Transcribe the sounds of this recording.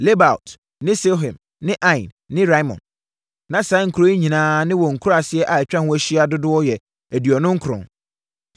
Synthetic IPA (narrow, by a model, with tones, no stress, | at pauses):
le˦ba˨t | nɪ̃˦se˦ɦɛ̃˨m | nɪ̃˦ʔã˦˨jnːɪ̃˦ɾa˦mɔ̰̃˨n | nã˨sãː˨˦ŋ̩˨kʰu˨ɾo˦i˦ɲĩ˨nãː˦nɪ̃˦wɔ˨ŋ̩˨kʰu˦ɾa˨sɪ˦ɛ˦ʔa˨æ˨t͡ɕᶣã˦wæ˨ɕi˦a˨dʊ˦dʊ˦ɔ˦jɛ˨ | æ˨di˨ɔ˨nʊ̃˦ŋ̩˦kʰʊ˨ɾʊ̰̃˨ŋ